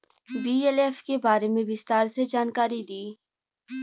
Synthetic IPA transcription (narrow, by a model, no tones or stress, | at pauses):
biːɛlefkebaːɾemẽbɪst̪aːɾsed͡ʒaːnkaːɾid̪iː